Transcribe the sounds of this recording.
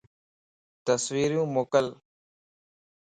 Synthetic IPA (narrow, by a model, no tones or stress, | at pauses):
t̪əsʋiːɾjũːmoːkəl